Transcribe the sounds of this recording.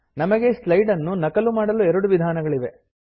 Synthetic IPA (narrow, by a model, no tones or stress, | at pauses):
nɐmɐɡeslɐjɖɐnːunɐkɐlumaːɽɐluɛɾɐɽuʋid̪ʱaːnɐɡɐɭiʋe̞